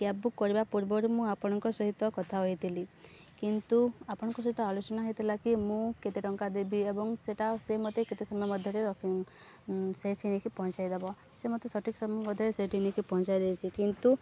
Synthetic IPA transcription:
kjabbukːɔɾibapuɾbɔɾumũapɔɽ̃ɔŋkɔsɔɦit̪ɔkɔt̪ʰaɦɔɦit̪ʰili | kint̪uapɔɽ̃ɔŋkɔs̬ɔɦit̪ɔalut͡ʃɔnaɦɔjt̪ʰilakimũket̪eʈɔŋkad̪ebiebɔŋseʈasemot̪eket̪esɔmjɔmɔd̪ʱjɔɾeɾɔkiŋ | seʈ̪ʰinekʰipɔɦɔ̃t͡ʃajd̪ebɔ | semot̪esɔʈʰikɔsɔmjɔbɔd̪ʱɔɾeseʈʰinekʰipɔɦɔ̃nt͡ʃajd̪ejt͡ʃʰikint̪u

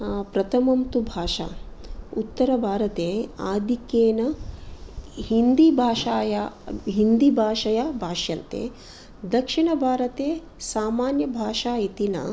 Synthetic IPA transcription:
pɾɐt̪ʰɐmɐmt̪ubʱaːʂa̰ːut̪ːɐɾɐbʱaːɾɐt̪eːaːd̪ʱikjeːnɐ | ɦind̪ibʱaːʃaːja | ɦind̪ibʱaːʂɐjɐbʱaːʂjɐnt̪ḛː | d̪ɐkʂiɳɐbʱaːɾɐt̪eː | saːmaːnjɐbʱaːʂaːjit̪inɐ̰

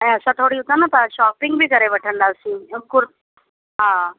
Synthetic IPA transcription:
eəsat̪ʰoɽiɦot̪anat̪aɕɔːpiŋɡbʱiːkəɾeʋəʈʰəɳɖalsĩmkuɾ | ɦã

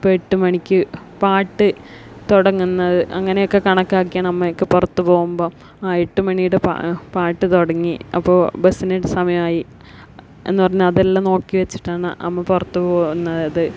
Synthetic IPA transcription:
peʈːumɐɳikʲːɨ | paːʈːɨt̪oɽɐŋːunːɐðɨʔɐŋːɐne̞jokːe̞kɐɳɐkːaːkːijaːnɐmːɐjokːepurɐt̪ːupo̞ːɣumbo̞ː | aːjeʈːumɐɳijuɽeppaːʈːɨt̪oɽɐŋːiɐ̰pːoːbɐsineʈsɐmɐjɐmaːji | e̞̰nːɨpɐrɐɲːumɐðelːamno̞ːkːiʋet͡ɕːi̥ʈːaːɳɨ̰ɐ̰mːɐpurɐt̪ːupoːɣunːɐðɐðɨ

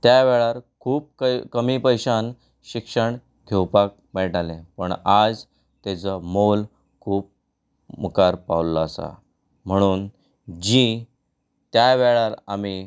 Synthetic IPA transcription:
t̪jaʋeɭaɾkʰuːp̚kkəmipəjɕan | ɕikʂəɳ | ɡʰʱewpak̚meʈalẽpəɳad͡z | t̪et͡səmol | kʰuːp̚ | məkaɾpaʋlaːsa̰ | m̤əɽ̃uːn | d͡ʑi | t̪jaʋeɭaɾami

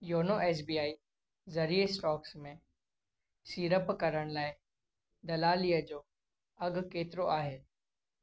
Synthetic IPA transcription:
joːnoʔɛːs̬biːaːi | zɐɾiːesʈɔːksmẽ | siːɾəpkɐɾəɽ̃laːɪ | d̪ɐlaːlijəd͡ʑoː | ɐɡkeːt̪ɾoʔaːɦeː

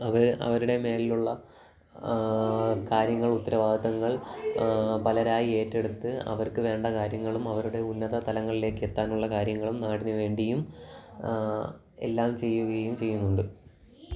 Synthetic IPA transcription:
ɐʋɐɾɐ̰ʋɐɾuɽe̞me̞ːliluɭːɐ | kaːɾjɐŋːɐɭut̪ːɐɾɐʋaːd̪ðɐŋːɐɭ | pɐlɐɾaːjie̞ːtːe̞ɽut̪ːɨɐ̰ʋɐrkɨʋe̞ːɳɖɐkaːɾjɐŋːɐɭumɐʋɐɾuɽe̞unːɐðɐt̪ɐlɐŋːɐɭile̞ːkːɨet̪ːaːnuɭːɐkaːɾjɐŋːɐɭumnaːɽinɨʋe̞ːɳɖijum | ḛlːaːmt͡ɕe̞jːuɣɐjumt͡ɕe̞jːunːuɳɖɨ

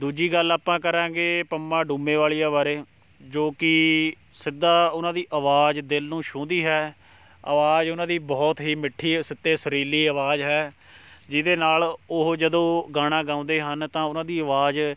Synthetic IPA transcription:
d̪uːd͡ʒiːɡəlaːpãːkəɾãːɡeːpəmːãːɖũːmẽːʋaːliːaːʋaːɾeː | d͡ʒoːkɪ | sɪd̪aːʊnãːd̪iːʔəʋaːd͡ʒd̪ɪlnũːʃõːd̪iːɦɛː | ə̰ʋaːd͡ʒʊnãːd̪iːbɔːt̪ɦiːmɪʈʰːiːsɪt̪ːeːsəɾiːliːəʋaːd͡ʒɦɛː | d͡ʒɪd̪eːnaːlʊɦd͡ʒəd̪õːɡaːɽ̃ãːɡãːʊ̃nd̪eːɦənt̪ãːʊnãːd̪iːəʋaːd͡ʒ

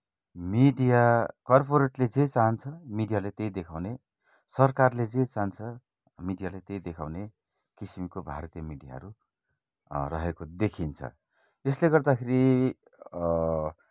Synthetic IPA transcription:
miɖijakʌrpoɾeʈled͡zet͡saɦʌnt͡sʰʌmiɖijalet̪ejd̪ekʰawne | sʌrkarled͡zet͡saɦnt͡sʰʌ | miɖijalet̪ejd̪ekʰawne | kisimikobʱa̰ɾʌt̪ijamiɖija̰ɦʌ̰ɾu | rʌɦekod̪ekʰint͡sʰʌ̰ | esleɡʌrd̪akʰeɾi

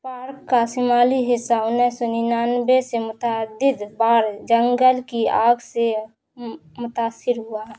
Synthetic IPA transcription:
paːɾkːasɪmaːliɦɪsːaʊnɛsɔninaːnbesemʊt̪aːd̪ɪd̪baːɾd͡ʒəŋɡəlkiaːɡse | mʊt̪aːsːɪɾɦuaɦ

